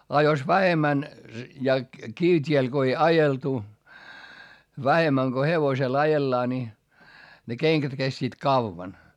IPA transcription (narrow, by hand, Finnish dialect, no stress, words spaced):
ɑ jos ʋæhemːæn jɑ kiʋtʲiel ɡ̊o ei ɑjeltu ʋæhemːæŋ ɡ̊o heʋosel ɑjelːɑː nʲi ne keŋkæt kestiːt kɑʋːɑn